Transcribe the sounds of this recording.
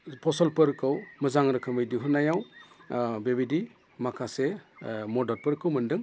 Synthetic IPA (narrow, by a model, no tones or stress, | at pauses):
pʰɔsɔlpɯɾkʰɯwmɯzaŋɾɯkʰɯmɯjdiɦɯnajaw | bebidi | makʰasemɔdɔɾpɯɾkʰɯwmɯndɯŋ